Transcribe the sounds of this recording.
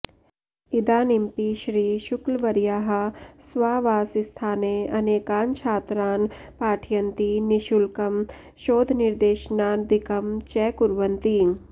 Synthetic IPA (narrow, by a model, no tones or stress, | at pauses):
id̪aːnimpiʃɾiːʃʊklʋɐɾjaːɦɐsʋaːʋaːsist̪ʰaːneːɐneːkaːnt͡ʃʰaːt̪ɾaːnpaːʈʰijɐnt̪iniʃulkɐm | ʃoːd̪ʱnɪɾd̪eːʃnaːd̪ɪkɐmt͡ʃɛːkʊɾʋənt̪iː